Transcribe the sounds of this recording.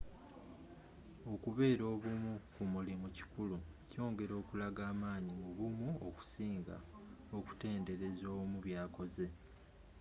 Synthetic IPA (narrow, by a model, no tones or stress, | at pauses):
o̞kuβe̞ːɾo̞ːβumukumulimuci̥kulu | co̞ːŋɡe̞ɾo̞ːkulaɡaːmaːɲimuβumuo̞ku̥siːŋɡa̰ | oku̥te̞ːnde̞ɾe̞zo̞ːβumuβjaːko̞ze̞